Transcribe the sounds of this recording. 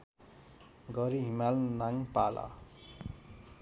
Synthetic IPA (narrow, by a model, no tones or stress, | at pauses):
ɡʌɾiɦimalnaŋpala̰